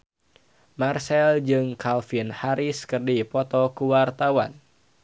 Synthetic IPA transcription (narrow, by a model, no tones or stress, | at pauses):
marsɛld͡ʒɨŋkʰalfinhaɾiskərdipɔt̪ɔkuwart̪awan